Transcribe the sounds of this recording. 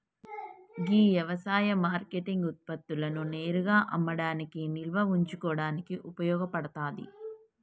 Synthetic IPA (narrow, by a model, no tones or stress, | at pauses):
ɡiːʋjɐʋɐsaːjɐmaːɾkeʈiŋɡut̪̚pɐt̪ːulɐnune̞ːɾuɡaːʔɐmːɐɽaːnikinilʋɐuɲt͡ʃukɔːɽaːnikiʔupɐjɔːɡɐpɐɽɐt̪aːd̪ḭ